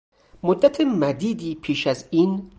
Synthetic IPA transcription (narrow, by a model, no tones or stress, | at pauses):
mod̪ːæt̪ʰemæd̪iːd̪iːpʰiːʃæziːn